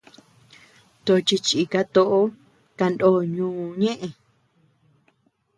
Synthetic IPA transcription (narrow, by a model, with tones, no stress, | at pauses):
t̪o˨˧t͡ʃi˧t͡ʃi˨ka˧t̪o˧ʔo˦ | ka˧ndoː˦˨ɲũː˦˧ɲẽ˦ʔẽ˨